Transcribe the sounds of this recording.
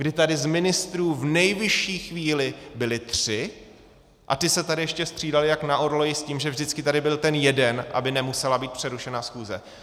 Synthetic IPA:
ɡdɪt̪adɪzmɪnɪst̪ɾuːvnɛjvɪʃiːxviːlɪbɪlɪt̪r̥ɪ | ʔa̰t̪ɪsɛt̪adɪjɛʃcɛst̪r̥iːdalɪjaknaʔoɾlojɪsciːmʒɛvʒdɪt͡skɪt̪adɪbɪlt̪ɛnjɛdɛnʔa̰bɪnɛmusɛlabiːt̪̚pr̝̥ɛɾuʃɛnaːsxuːzɛ̰

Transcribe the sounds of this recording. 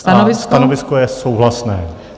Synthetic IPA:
st̪anovɪsskt̪anovɪskojɛsowɦlasnɛː

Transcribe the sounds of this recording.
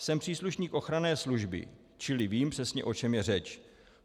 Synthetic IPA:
sɛmpr̥iːsluʃɲiːkʔo̞xɾanɛːsluʒbɪ̰ | t͡ʃɪlɪviːmpr̥ɛsɲɛ̰ʔo̞t͡ʃɛmjɛrɛt͡ʃ

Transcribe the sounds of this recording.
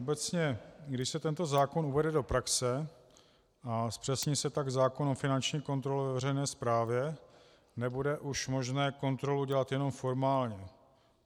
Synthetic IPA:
obɛt͡sɲɛɡdɪʃsɛt̪ɛnt̪o̞zaːkonuvɛdɛdo̞pɾaksɛ | ʔaspr̥ɛsɲiːsɛt̪aɡzaːkonofɪnant͡ʃɲiːko̞nt̪ɾolɛvɛvɛrɛjnɛːspɾaːvjɛ | nɛbudɛʔuʃmo̞ʒnɛːko̞nt̪ɾo̞luɟɛlat̪jɛno̞mfo̞ɾmaːlɲɛ

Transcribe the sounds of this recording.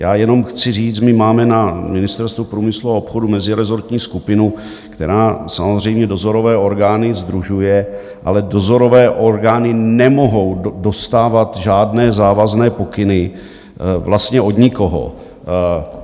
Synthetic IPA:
jaːjɛno̞mxt͡sɪriːt͡smɪmaːmɛnamɪnɪst̪ɛɾst̪vupɾuːmɪsluaopxo̞dumɛzɪɾɛzo̞ɾt̪ɲiːskupɪnu | kt̪ɛ̰ɾaːsamozr̝ɛjmɲɛdo̞zo̞ɾo̞vɛːo̞ɾɡaːnɪzd̪ɾuʒujɛ | ʔa̰lɛdo̞zo̞ɾo̞vɛːʔo̞ɾɡaːnɪnɛmo̞ɦo̞wdo̞st̪aːvat̪ʒaːdnɛːzaːvaznɛːpo̞kɪnɪ | vlast̪ɲɛʔo̞dɲɪko̞ɦo̰

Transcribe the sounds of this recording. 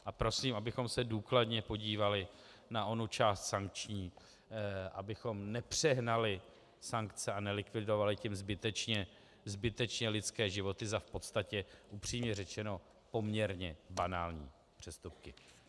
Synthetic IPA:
ʔapɾo̞siːmʔabɪxo̞msɛduːkladɲɛpo̞ɟiːvalɪ | naʔo̞nut͡ʃaːst̪saŋk̚t͡ʃɲiː | ʔabɪxo̞mnɛpr̝̥ɛɦnalɪ | saŋkt͡sɛanɛlɪkvɪdo̞valɪcɛmzbɪt̪ɛt͡ʃɲɛ | zbɪt̪ɛt͡ʃɲɛlɪt̪t͡skɛːʒɪvo̞t̪ɪzafpo̞t̪st̪acɛʔupr̝̥iːmɲɛrɛt͡ʃɛno̞ | po̞mɲɛɾɲɛbanaːlɲḭː | pr̝̥ɛst̪up̚kɪ

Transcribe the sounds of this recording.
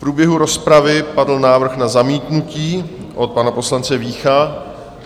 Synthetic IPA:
pɾuːbjɛɦuɾo̞spɾavɪpadl̩naːvr̩xnazamiːt̪nuciːʔot̪̚panapo̞slant͡sɛviːxa

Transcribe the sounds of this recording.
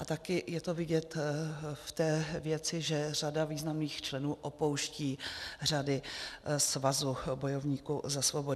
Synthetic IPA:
ʔat̪akɪjɛt̪ovɪɟɛt̪ft̪ɛːvjɛt͡sɪʒɛr̝adaviːznamniːxt͡ʃlɛnuːʔopo̞wʃciːr̝adɪsvazubo̞jo̞vɲiːkuzasvo̞bo̞

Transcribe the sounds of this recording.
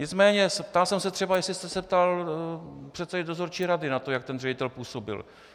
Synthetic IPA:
ɲɪt͡smɛːɲɛsɛpt̪alsɛmsɛt̪r̥ɛbajɛslɪst̪ɛsɛp̚t̪al | pr̝̥ɛt̪sɛdɛdo̞zo̞ɾt͡ʃiːɾadɪnat̪o̞jak̚t̪ɛnrɛɟɪt̪ɛlpuːso̞bɪ̰l

